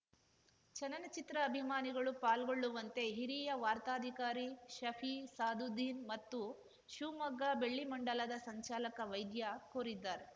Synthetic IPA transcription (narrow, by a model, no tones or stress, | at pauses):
t͡ʃɐnɐnɐt͡ʃit̪ɾɐːbʱimaːniɡɐɭupaːlɡoɭːuʋɐnt̪e̞ɦiɾiːjɐʋaːɾt̪aːd̪ʱikaːɾiʃɐpʰiːsaːd̪ʱud̪ʱiːnmɐt̪ːu | ʃuːmɐɡːaːbe̞ɭːimɐɳɖɐlɐd̪ɐsɐɲt͡ʃaːlɐkɐʋɐjd̪jakoːɾid̪ːaːɾe